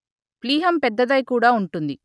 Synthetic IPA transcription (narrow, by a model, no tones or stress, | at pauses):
pliːɦɐmpɛd̪ːɐd̪ɐjkuːɽaːuɳʈund̪i